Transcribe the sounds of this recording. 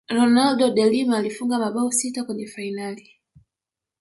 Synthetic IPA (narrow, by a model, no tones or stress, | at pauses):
ɾɔnaldɔɗɛlimaːlifuŋɡamaɓaɔsitakwɛɲɛfainali